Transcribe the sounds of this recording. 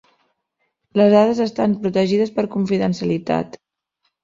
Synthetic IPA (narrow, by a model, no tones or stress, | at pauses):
ləzðaðəzəst̪ampɾut̪əʒiðəspəɾkuɱfiðənsjəlit̪a̰t̪